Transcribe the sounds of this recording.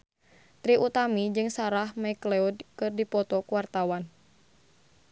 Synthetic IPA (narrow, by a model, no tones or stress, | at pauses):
t̪ɾiʔut̪amid͡ʒɨŋsaɾahmaiklɛudkɨrdipɔt̪ɔkuwart̪awan